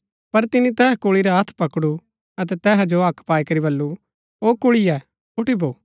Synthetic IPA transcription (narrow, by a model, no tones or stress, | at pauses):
pɐɾt̪ɪnĩt̪ɛːɦkoːɭiɾaɦɐt̪ʰpɐkɽu | ɐt̪̬ɛt̪ɛːɦɛd͡ʒoɐkʰpaːikɐɾibɐlːu | oːkʊɭiɛ | ʊʈiboː